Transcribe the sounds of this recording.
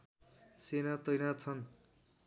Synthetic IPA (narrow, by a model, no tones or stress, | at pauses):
senat̪ʌjnat͡sʰʌn